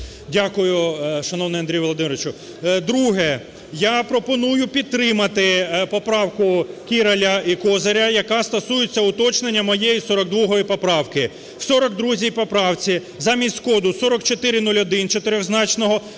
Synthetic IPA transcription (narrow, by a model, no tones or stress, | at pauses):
dʲakʊjʊʃɐnɔwnɪjɐnd̪ɾʲijʋɔlˠɔd̪ɪmɾʋɪt͡ʃʊ | d̪ɾuɦɛ | japɾɔpɔnujʊpʲid̪̚t̪ɾɪmɐt̪ɪpɔpɾɑwkʊkʲiɾɐlʲɐikɔzɐɾʲɐjɐkɑst̪ɐsujʊt͡sʲːɐʊt̪ɔt͡ʃnenʲːɐmɔjejisɔɾɔɡ̚d̪ʋɔɦɔjipɔpɾɑwkɪ | w̥sɔɾɔk̚d̪ɾuzʲijpɔpɾɑwt͡sʲi | zɑmʲisʲskɔd̪ʊsɔɾɔkt͡ʃɔt̪ɪɾʲɪnulʲɔd̪ɪnt͡ʃɔt̪ɪɾʲɔɣznɑt͡ʃnɔɦɔ